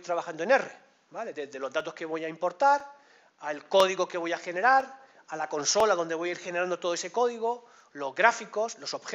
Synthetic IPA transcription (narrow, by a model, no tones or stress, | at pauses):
jt̪ɾaβaxand̪oene̞re̞ | bale̞ðezðe̞lo̞zd̪at̪o̞ske̞βo̞jaimpo̞ɾt̪aɾ | aelko̞ð̞iɣo̞ke̞β̞o̞jaxe̞ne̞ɾaɾ | alako̞nso̞laðo̞nd̪eo̞jaiɾxe̞neɾand̪o̞t̪o̞ð̞oese̞ko̞ðiɣ̞o | lo̞zɣɾafiko̞slo̞so̞βxe